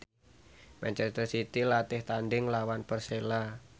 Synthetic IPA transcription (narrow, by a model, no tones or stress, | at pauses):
mɛnt͡ʃɛst̪ərsit̪ilat̪ɪht̪anɖɪŋlawanpərsela